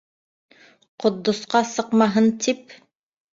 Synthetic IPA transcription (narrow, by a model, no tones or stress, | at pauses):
qŏd̪ːŏsqɑsɤ̆qmɑɦɤnt̪ʰip